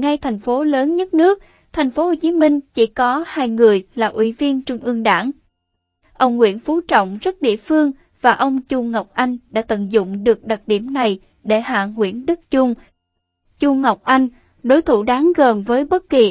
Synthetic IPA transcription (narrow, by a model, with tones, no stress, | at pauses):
ŋa˧jt̪ʰɛ˨˩jŋ̟fo˨˦ləː˨˦nɲə˦˥t̚nɨ˦˥ək̚ | t̪ʰɛ˨˩jŋ̟fo˨˦ho˨˩t͡ɕi˨˦mï˧ŋ̟t͡ɕḭ˧˥kɔ˨˦haː˧jŋɨ˨˩əjlaː˨˩ʔwḭ˧˩vi˧ənt͡ɕʊ˧ŋ͡mʔɨ˧əŋɗaː˧˩ŋ | ʔə˧wŋ͡mŋwḭ˧˥ənfu˨˦t͡ɕɔ̰˧˨wŋ͡mzə˦˥t̚ɗḭ˧˨əfɨ˧əŋ | v̥aː˨˩ʔə˧wŋ͡mt͡ɕʊ˧ŋa˨˩wk͡p̚ʔa˧jŋ̟ɗa̰ː˧˥t̪ə̰˧˨nzʊ̰˧˨ŋ͡mɗɨ˨˩ək̚ɗə˨˩t̚ɗi˧˩əmna˨˩j | ɗe˧˩ha̰ː˧˨ŋwḭ˧˥ənɗɨ˦˥k̚t͡ɕʊ˧ŋ͡m | t͡ɕu˧ŋ͡mŋa˨˩wk͡p̚ʔa˧jŋ̟ | ɗo˨˦jt̪ʰu˧˩ɗaː˨˦ŋɣəː˨˩mvəː˨˦jɓə˦˥t̚ki˨˩